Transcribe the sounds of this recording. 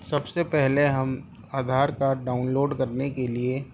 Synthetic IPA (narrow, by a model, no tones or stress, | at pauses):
sɐbsepɛɦleɦɐm | aːd̪ʱaːɾkaːɾʈɖaːʊnloːɖkɐɾnekelie